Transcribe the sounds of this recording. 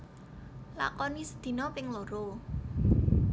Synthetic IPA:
la̰kɔnisəd̪̥i̤nɔpɪŋloɾo

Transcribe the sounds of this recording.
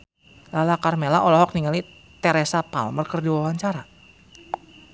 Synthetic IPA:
lalakarmelaʔɔlɔɦɔk̚niŋali | t̪ɛɾɛsapa̰lmərkərdiwawaɲt͡ʃaɾa

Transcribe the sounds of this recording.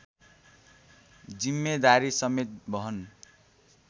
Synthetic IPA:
d͡zimːed̪aɾisʌmet̪̚bʌɦʌn

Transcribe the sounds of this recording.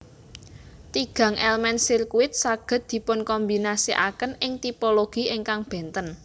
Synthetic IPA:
t̪iɡ̥ä̤ŋʔɛlmɛnsirkuɪt̪̚saɡ̥ə̤t̪̚d̪̥i̤pʊnkɔmbi̤nasiʔa̰kənʔɪŋt̪ipoloɡ̥i̤ɪŋkaŋb̥ɛ̤nt̪ən

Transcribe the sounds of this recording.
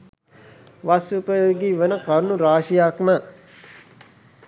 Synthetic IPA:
ʋasupəɡiʋənəkaɾnuɾaːʃijakna

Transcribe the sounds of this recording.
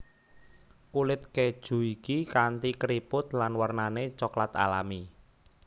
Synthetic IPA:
kulɪt̪̚ked̥ʒ̥ṳikikant̪ikɾipʊt̪lanwərnanet͡ʃɔklat̪a̰lami

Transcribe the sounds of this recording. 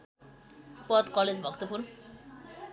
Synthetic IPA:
pɔd̪kɔled͡ʑbʱʌkt̪opuɾn

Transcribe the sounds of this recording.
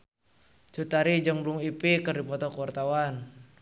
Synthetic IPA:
t͡ʃut̪aɾid͡ʒəŋbuŋipikərdipɔt̪ɔkuwart̪awan

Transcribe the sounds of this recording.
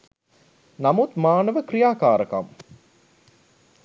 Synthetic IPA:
namut̪maːnəʋəkrijaːkaːɾəka̰m

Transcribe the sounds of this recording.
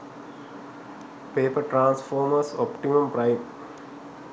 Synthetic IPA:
peːpəʈɾãːnsfoːɾməsɔpʈimɐ̃mpɾaɪ

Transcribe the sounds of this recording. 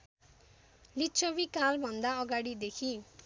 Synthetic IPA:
lit͡sʌbikalbʱʌnd̪aʌɡaɽid̪ekʰi

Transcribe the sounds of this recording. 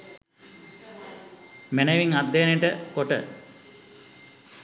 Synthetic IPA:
meneʋiŋad̪ːejniʈəkoʈə̰

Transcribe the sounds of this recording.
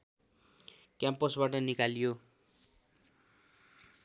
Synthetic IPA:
kjampʌsbaʈʌnikaljo

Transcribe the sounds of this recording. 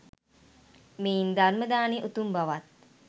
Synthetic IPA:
meind̪arməd̪aːneʔut̪umbaʋat̪̚

